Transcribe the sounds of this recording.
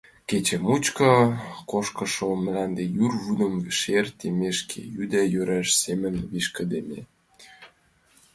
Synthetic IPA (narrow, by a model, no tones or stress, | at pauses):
ket͡ɕĕmut͡ɕkɤ̆koʃkɤ̆ʃom̆lænd̪ejyrβunə̆mʃert̪emeʃkʰḛjyd̪æjøɾæʃsemə̆nβiʃkə̆d̪emḛ